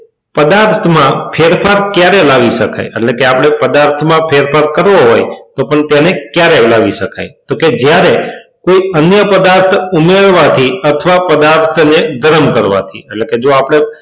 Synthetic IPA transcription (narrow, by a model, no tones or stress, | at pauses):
pəd̪aɾt̪ʰmãfʰeɾpʰaɾkjaɾelaʋiʃəkʰa̰jɛ̰ʈlekeapɽ̃epəd̪aɾt̪ʰmãpʰeɾpʰaɾkəɾʋoɦojt̪opəɳt̪jenekjaɾelaʋiʃəka̰jt̪oked͡ʒjaɾekoiənjəpəd̪aɾt̪ʰumeɭʋat̪ʰiət̪ʰʋapəd̪aɾt̪ʰəneɡəɾəmkəɾʋa̰t̪ʰḭɛleked͡ʒoapɽ̃e